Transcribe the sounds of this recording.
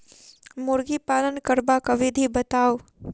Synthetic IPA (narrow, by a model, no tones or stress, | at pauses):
mʊɾɡipaːlənkəɾbakɐʋid̪ʱibɐt̪aːo